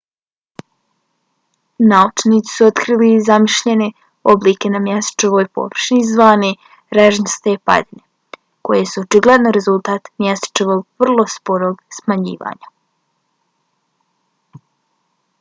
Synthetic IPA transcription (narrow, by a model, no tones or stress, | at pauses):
naut͡ʃniːt̪si̥suo̞t̪kɾiːlizamiʃʎene | obliːke̞namjest̪ḁt͡ʃeʋo̞ːjpo̞̰ʋr̩ʃnizʋaːne | ɾeʒnst̪epa̰d̪ine | ko̞je̞suot͡ʃiɡlˠed̪noɾe̞zulˠt̪aːt̪mjest̪t͡ʃeʋo̞ɡ̚ʋr̩lˠo̞spoɾo̞ːɡsmaɲḭːʋa̰ːɲa